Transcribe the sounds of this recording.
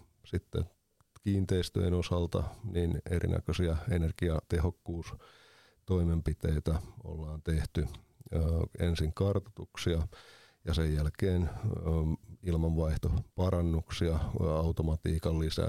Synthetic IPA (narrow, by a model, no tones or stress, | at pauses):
sit̪ːḛ | kiːnt̪eist̪ø̰enosɑlt̪ɑ̰ninḛɾḭnʔæ̰køsiɑenerɡ̥iɑt̪ehokːuːs | t̪oimempit̪eit̪æo̰lːɑːnt̪eht̪y | ḛnsiŋkɑrt̪ɑ̥t̪uksiɑ | jɑsejjælkeːn | ilmɑʋʋɑiht̪opɑɾɑnːuksiɑɑut̪omɑt̪iːkɑlːisæ̰